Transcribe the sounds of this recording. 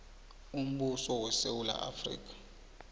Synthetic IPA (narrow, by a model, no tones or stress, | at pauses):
um̩ɓusɔwɛsewula̰ʔa̰frḭːk̬ʼḁ